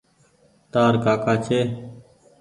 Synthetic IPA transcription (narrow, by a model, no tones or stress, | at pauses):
t̪aːɾkaːkaːt͡ʃʰeː